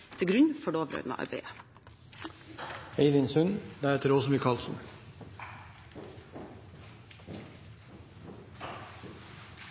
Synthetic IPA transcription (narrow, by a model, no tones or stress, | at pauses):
t̪ʰɪlɡɾʉɲfɔɖoːʋɾø̰ːd̪mɑ̰ʔɑ̰ɪbḛːə | eɪd̪ɪnsʉnd̪ɛæɾɛt̪ɾoːsɔmʋiːkʰɑlsɔm